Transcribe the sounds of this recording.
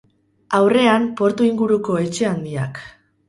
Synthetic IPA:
awre̞ampo̞ɾt̪uiŋɡuɾuko̞e̞t͡ʃe̞and̪ia̰k

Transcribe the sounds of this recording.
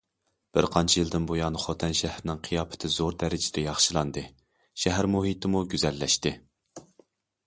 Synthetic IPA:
b̥ɪ̰ɾqʰɑnt͡ʃʰijɨlˠd̪ɪnbojɑnχot̪ʰɛnʃæhɾɪnɪŋqʰijɑːpʰɪ̥t̪ʰɪzoɾd̪ɛɾɪd͡ʒɪd̪ɛjɑχʃɨlˠɑnd̪ɨ | ʃɛɦæɾmoɦit̪ɪmuɡʲyzɛlːɛʃt̪ɪ

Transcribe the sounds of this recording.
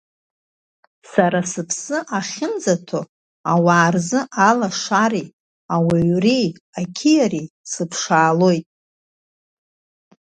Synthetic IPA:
saɾasɨpʰsɨʔaχʲɪnd͡zatʰo | awaːrzɨʔalaʂaɾi | awiɥrijakʲʰijaɾisɨpʰʂaːlo̞jtʼ

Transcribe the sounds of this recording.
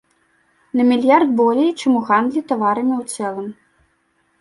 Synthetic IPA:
nɐmʲilʲjard̪̚bɔlʲɛjt͡ʂɨmuɣand̪lʲit̪avaɾɐmʲiwt̪sɛlˠɐm

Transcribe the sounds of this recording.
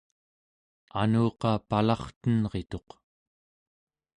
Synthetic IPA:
a̰nuːqɑpalɑχt̪ənʁe̞t̪o̞q

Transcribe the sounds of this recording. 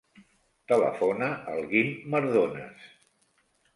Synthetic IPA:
t̪ələ̰fonəʔəlˠɣimːəɾðonə̰s

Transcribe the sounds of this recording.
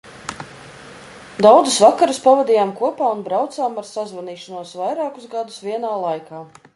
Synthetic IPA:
d̪awd̪zusvakaɾuspavad̪iːjaːmkuɔpaːunbɾawt̪saːmaɾsazvaniːʃanuɔsvajɾaːkuzɡad̪usviɛnaːlˠajkaː

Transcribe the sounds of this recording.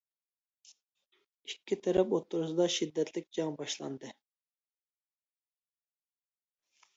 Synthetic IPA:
ikʲːit̪ʰɛɾɛpot̪ʰːuɾsɨd̪ɑʃid̪ːɛt̪ʰlɪk̚ʲd͡ʒɑŋbɑʃlˠɑ̰nd̪ɨ

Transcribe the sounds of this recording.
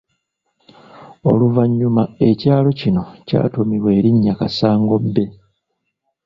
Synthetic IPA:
o̞̰luvaɲːumae̞caːlo̞cino̞ca̰ːtomiwe̞ːɾiɲːakasaːŋɡo̞bːe̞

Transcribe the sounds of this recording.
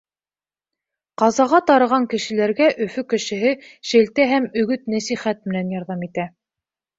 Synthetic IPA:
qɑzɑʁɑt̪ɑɾɤ̆ʁɑŋkɘ̆ʃɘ̆læɾɡæʔɵ̆fɵkɘ̆ʃɘ̆ɦɘʃɘ̆lt̪æɦæmɵ̆ɡɵt̪̚næsiχæt̪̚mɘ̆nænjɑɾðɑmit̪æ

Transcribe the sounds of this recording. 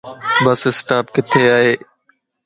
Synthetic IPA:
bəsɪsʈaːpkɪt̪ʰeːaːɦeː

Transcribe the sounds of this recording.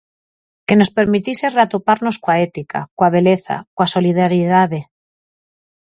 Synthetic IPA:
ke̞no̞spe̞ɾmit̪ise̞rat̪upaɾno̞skwaet̪ika̰kwaβe̞leθa̰kwaso̞lið̞aɾjiðaðe̞

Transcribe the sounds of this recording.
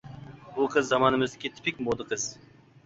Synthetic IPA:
buqʰɨzːɑmɑnɨmɨzd̪ɪkʲʰit̪ʰɪ̥pʰikʲmod̪əqʰəz̥

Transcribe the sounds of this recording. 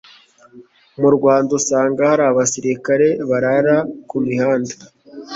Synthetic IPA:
muɾɡwaːndusaːŋɡahaɾaːβasiɾikaɾe̞βaɾaɾakumihaːnda

